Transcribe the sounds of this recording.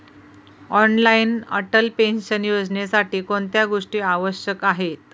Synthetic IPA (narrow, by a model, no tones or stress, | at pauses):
ɔnlainə̰ʈəlpenɕənjod͡znesaʈiːkoɳt̪jaɡoʂʈiːaʋəɕjəkaɦet̪̚